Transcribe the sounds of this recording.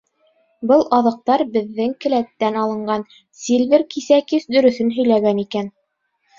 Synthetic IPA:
bɤlˠɑðɤ̆q̚t̪ɑɾbɘ̆ðːɘŋkɘ̆læt̪ːænɑlˠɤ̆ɴɢɑn | silʲvʲɘɾkisækɘsd̪ɵ̆ɾɵ̆θɵnɦɵ̆jlæɡænikæn

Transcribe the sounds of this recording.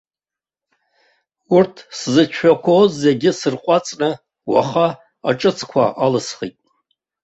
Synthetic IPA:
urtʰszɨt͡ʃʷʰakʷʰozːeɡʲɪsɨrqʷʼat͡sʼnɨ | wa̰χa | aʈ͡ʂʼɨt͡sʰkʷʰa̰ʔalɨsχitʼ

